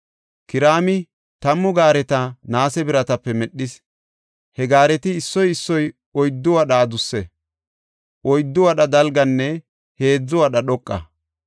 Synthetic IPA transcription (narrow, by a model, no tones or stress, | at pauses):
kɪɾaːmɪ | t̪ɐmːʊɡaːɾɛt̪ɐnaːsɛbɪɾɐt̪ɐpːɛmɛɗːɪs | hɛɡaːɾɛt̪ɪːsːɔjɪsːɔj | ɔjd̪ːʊwɐɗaːd̪ʊsːɛ | ʔɔjd̪ːʊwɐɗɐd̪ɐlɡɐnːɛ | he̞ːd͡zːʊwɐɗɐɗɔkʼːɐ̰